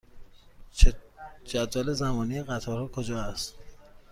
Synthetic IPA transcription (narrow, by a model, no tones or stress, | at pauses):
d͡ʒæd̪væːlezæmɒːniːeɣæt̪ʰɒːɾhɒːkʰod͡ʒɒːæst̪